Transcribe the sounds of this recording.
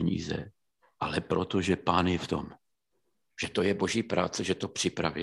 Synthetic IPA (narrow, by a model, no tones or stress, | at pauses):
ɲḭːzɛ̰ | ʔalɛpɾot̪o̞ʒɛpaːnjɛft̪o̞̰m | ʒ̥ɛt̪o̞jɛbo̞ʒiːpɾa̰ːt͡sɛʒɛt̪o̞pr̥ɪpɾa̰vɛ